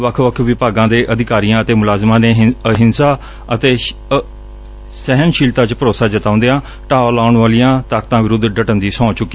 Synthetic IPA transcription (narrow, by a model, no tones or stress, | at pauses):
ʋəkʰʋəkʰʋɪpaːɡãːd̪eːʔəd̪ɪkaːɾijãːət̪eːmʊlaːzmãːneːɦɦɪnsaː | ət̪eː | sɛɦənʃiːlt̪ãːt͡ʃpəɾoːsaːd͡ʒət̪aːʊ̃nd̪eːãː | ʈaːlaːʊɳʋaːlijãːt̪aːkt̪ãːʋɪɾʊd̪ɖəʈənd̪iːsɔ̃ːt͡ʃʊkːiː